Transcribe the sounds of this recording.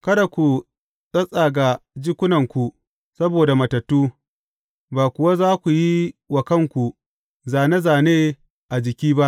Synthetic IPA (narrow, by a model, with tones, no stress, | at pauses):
kɐ˦da˨kʷu˨ | sʼɐ˦sʼaː˨ɡa˨d͡ʒɪ˦kʷʊ˦nɐ˨ŋkʷu˨ | sɐ˦boː˨da˨mɐ˨tɐ˨tːuː˦ | baː˨kʷʊ˨wa˦zaː˦kʷu˨ji˦wɐ˨kɐ˦ŋkʷu˨ | zaː˨ne˦zaː˨neː˦ | ʔa˨d͡ʒɪ˨kʲiː˦ba˦ʔ